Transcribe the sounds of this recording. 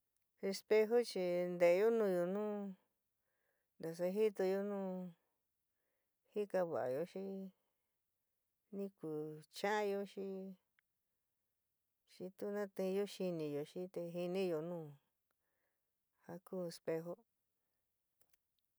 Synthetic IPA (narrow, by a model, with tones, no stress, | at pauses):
e˧spe˧ɦo˦t͡ʃi˧nd̪e˨˧jo˦nũ˧˨jo˧nũː˦ | nd̪a˨s̬a˧ɦi˦t̪o˧jo˦nũː˦˨ | hi˦ka˧βa̰˨a̰˨jo˧ʃi˦ | nĩ˦ku˨t͡ʃã˦jo˧ʃi˦ | ʃi˧t̪u˦nã˦t̪ẽ˧jo˦ʃi˧nĩ˨jo˨ʃi˦t̪e˧ɦi˧nĩ˦jo˨nũː˦˨ | ha˧kuː˦e˧spe˧ɦo˦